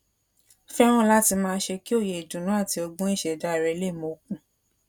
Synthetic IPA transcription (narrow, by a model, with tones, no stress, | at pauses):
fɛ˦ɾ̃ɔ̃˦la˦ti˧mãː˧˦ʃe˧ki˦o˦˨je˨i˨dũ˨nũ˨˦a˦˨ti˧ɔ˧ɡ͡bɔ̃˦i˦˨ʃɛ˨da˨˦˨ɾɛ˨˧˦le˦˨mo˨kũ˦˨